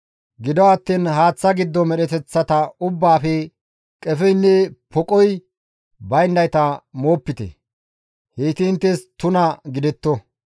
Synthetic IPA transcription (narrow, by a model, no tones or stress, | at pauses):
ɡɪd̪ɔwɐt̪ːiːnɦaːt͡sːɐɡɪd̪ːɔmɛɗɛt̪ɛt͡sːɐt̪ɐʊbːaːfɛ | kʼɛfɛjnːɛpʰɔkʼɔj | bɐjnd̪ɐjt̪ɐmo̞ːpːɪt̪ɛ̰ | heːt̪ɪɪnt̪ːɛst̪ʊnɐɡɪd̪ɛt̪ːɔ